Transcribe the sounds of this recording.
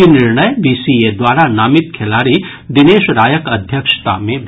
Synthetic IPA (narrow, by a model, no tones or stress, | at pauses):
inɪɾɳəjbiːsied̪waːɾanaːmɪt̪̚kʰelaːɾi | d̪ɪneːʃɾaːjəkɐd̪ʱjəkʃt̪a̰mẽʋ